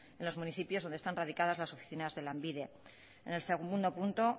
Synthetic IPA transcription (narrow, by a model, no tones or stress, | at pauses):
enlo̞zmũniθipjozðo̞nd̪est̪anraðikað̞azlaso̞fi̥θinazðe̞lambiðe̞ | enelseɣund̪o̞punt̪o̞